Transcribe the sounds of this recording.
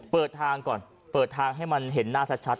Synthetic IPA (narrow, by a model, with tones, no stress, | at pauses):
pɤː˨˩t̪ʰːaː˧ŋkɔː˨˩n | pɤː˨˩t̪ʰːaː˧ŋɦa˥˩jma˧nɦe˩˦nːaː˥˩t͡ɕʰa˦˥t̪̚t͡ɕʰa˦˥t̪̚